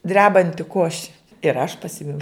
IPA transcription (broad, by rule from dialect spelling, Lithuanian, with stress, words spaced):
ˈdʲrʲæːbɐnʲtʲɪ ˈkoːʃʲɪ ɪr ɐʃ pɐˈsʲɪmʲɛʊ